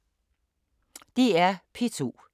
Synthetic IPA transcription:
d̥iæɐpʰet͡sʰu

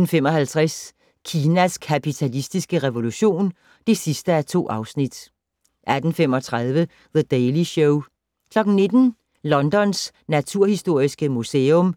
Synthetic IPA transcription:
n̩femɒ̽hælt͡sʰʁas | kʰiːnæskʰæpʰit͡sʰælisd̥isɡ̥əʁɛʋo̝luɕo̝̰ːn | d̥e̝sisd̥əæɐt͡sʰo̝̰ːʔɑ̈ʊsnid̥ | ʔæd̥n̩femɒ̽t͡sʰʁɑð̞ˠʋə | ðəd̥eɪliɕɔʊ | kʰlɒ̽ɡ̥n̩ne̝d̥n̩ | lɒ̽nd̥ɒ̽nsnæt͡sʰuɐ̰hisd̥o̝ɐ̰isɡ̥əmuseːɔ̽m

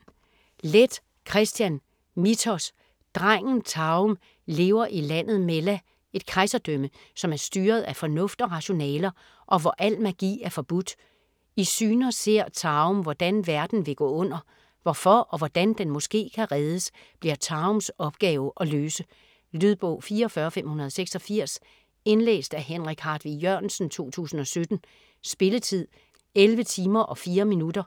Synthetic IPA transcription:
led̥ | kʰʁɛsd̥jæn | mit͡sʰɒs | d̥ʁaŋ̰n̩t͡sʰɑ̈m | le̝ːʊɐʔilæn̰ð̞̩ˠmelæ | e̝d̥̚kʰʁaɪsɐd̥øm̰ə | sɒ̽mæɐsd̥yːɐð̩ˠæfɒ̽nɔ̽fd̥ɒ̽ʁɑ̈ɕo̝nɛ̰ːlɐ | ʔɒ̽ʋɒʔæl̰mæɡ̥ḭːæɐfɒ̽b̥ud̥ | isyːnɐse̝ɐ̰t͡sʰɑ̈ːmʋɒd̥ænʋæɐd̥n̩ʋe̝ɡ̥ɔ̰ːɔ̽n̰ɐ | ʋɒfɒʔɒ̽ʋɒd̥ænd̥enmɒ̽sɡ̥e̝̰ːkʰæʁɛð̞ˠəsb̥liɐt͡sʰɑ̈ʊmsɒ̽b̥ɡ̥ɛːʊʔɒ̽løːsə | lyðˠb̥ɔ̰ʊfiːɐɒfɶːɐfem̰hunɐðˠseɡ̥sɒ̽fiɐ̰s | e̝nlḛːsd̥æhenʁiɡ̥hɑ̈ːd̥ʋijøɐ̰nsn̩t͡sʰo̝̰ːt͡sʰṵːsn̩ɒ̽sød̥n̩ | sb̥e̝lət͡sʰið̰ˠ | elʋət͡sʰiːmɐʔɒ̽fiːɐminud̥ɐ

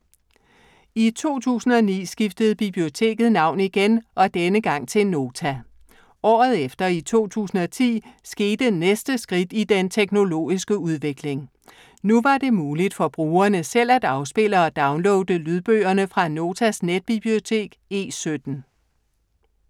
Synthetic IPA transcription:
it͡sʰo̝̰ːt͡sʰṵːsn̩ɒ̽nḭːsɡ̥ifd̥əð̞̩ˠb̥ib̥lio̝t͡sʰe̝̰ːɡ̥ð̞̩ˠnɑ̈ʊ̰niɡ̥enʔɒ̽d̥enəɡ̥ɑ̈ŋ̰t͡sʰe̝no̝ːt͡sʰæ | ɒ̰ːð̞̩ˠefd̥ɐit͡sʰo̝̰ːt͡sʰṵːsn̩ɒ̽t͡sʰḭːsɡ̥e̝ːd̥ənesd̥əsɡ̥ʁid̥id̥ent͡sʰeɡ̥no̝lo̝̰ːisɡ̥əuðˠʋe̝ɡ̥le̝ŋ | nuʋɑ̈d̥e̝muːlid̥fɒ̽b̥ʁuːɐnəsel̰æd̥ɑ̈ʊsb̥e̝l̰əɒ̽d̥ɑ̈ʊnlɔʊd̥əlyð̞ˠb̥ø̰ːɐnəfʁɑ̈no̝ːt͡sʰæsned̥̚b̥ib̥lio̝t͡sʰe̝̰ːɡ̥e̝̰ːsød̥n̩

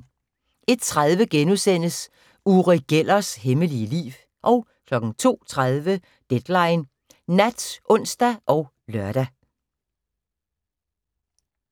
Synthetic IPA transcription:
ʔe̝d̥t͡sʰʁaðˠʋəɡ̥enusen̰əs | uʁiɡ̥el̰ɐsheməliəlḭːʋ | ʔɒ̽ʊ | kʰlɒ̽ɡ̥n̩t͡sʰo̝̰ːt͡sʰʁaðˠʋə | d̥ed̥lɑ̈ɪn | næd̥sʔɔ̽n̰sd̥æʔɒ̽ʊ | lɶɐɾ̥æ

